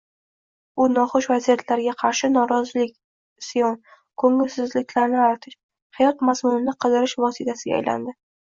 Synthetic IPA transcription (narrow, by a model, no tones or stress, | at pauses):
ʊnɒχʊʃvazijat̪ʰlaɾɡʲaqʰɑɾʃɪnɒɾɒzɪlɪkʲ | sijɒn | kʰɵŋɪlsɪzlɪkʲlaɾnɪaɾt̪ʰɪʃ | hajɒt̪mazmʊnɪnɪqʰɨd̪ɪɾɪʃvɒsɪt̪ʰasɪɡʲa̰jlʔa̰nd̪ɪ